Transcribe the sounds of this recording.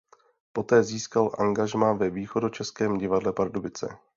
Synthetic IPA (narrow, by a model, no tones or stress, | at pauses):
po̞t̪ɛːziːskalʔa̰ŋɡaʒmaːvɛviːxo̞dot͡ʃɛskɛːmɟɪvadlɛpaɾdobɪt͡sɛ̰